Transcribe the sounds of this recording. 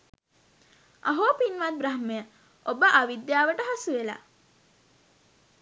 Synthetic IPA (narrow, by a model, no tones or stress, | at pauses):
a̰ɦoːpinʋat̪̚bɾaɦməjə | obəʔaʋid̪jaːʋəʈəɦasuʋela̰